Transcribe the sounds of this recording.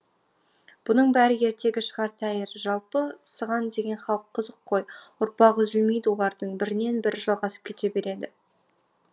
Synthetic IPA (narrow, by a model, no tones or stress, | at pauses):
b̥ʊnəɴbæɾɪje̞ɾt̪e̞ɡʲɪʃəʁɑɾt̪ʰæjɪɾʒɑlˠpəsəʁɑnd̪e̞ɡʲe̞nχɑlˠəqʰːəzəqʰːo̞jʊɾpɑʁəzʏlmejd̪ɪwo̞lˠɑɾd̪əɴbɪɾɪne̞nbɪɾʒɑlˠʁɑsə̥p̚kʲʰe̞t̪e̞be̞ɾe̞d̪ɪ